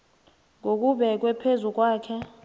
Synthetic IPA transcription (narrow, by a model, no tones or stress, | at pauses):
ŋok̬ʼuɓɛk̬ʼwɛpʰezuk̬ʼwaːkʰɛ